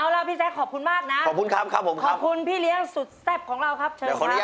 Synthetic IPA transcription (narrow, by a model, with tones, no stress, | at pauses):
ʔa˧wɾa˧wpʰiː˥˩sɛː˦˥kʰɔː˨˩p̚kʰu˧nmaː˥˩k̚na˦˥ʔʰɔː˨˩p̚kʰu˧nkʰa˦˥p̚kʰa˦˥pʰːo˩˦mkʰɔː˦˨˥p̚kʰu˧npʰiː˥˩li˦˥əŋsu˨˩t̪̚sɛ˥˩p̚kʰɔː˩˦ŋɾa˧wkʰa˦˥p̚t͡ɕʰɤː˧˨˧kːka˦˥˦